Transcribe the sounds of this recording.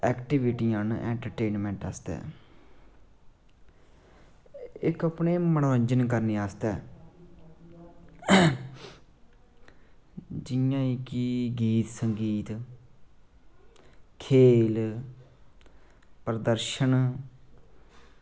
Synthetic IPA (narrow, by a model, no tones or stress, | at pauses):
ɛːkʈiʋiʈiːãːnɛ̰̃ːɳʈəɾʈeːnmɛ̃ːɳʈa̰ːst̪ɛ̰ː | ɪkəpneːmənoːɲd͡ʒənkəɾneːaːst̪ɛː | d͡ʒɪjãːiːkiɡiːt̪səŋɡiːt̪ | kʰeːl | pəɾəd̪əɾʃən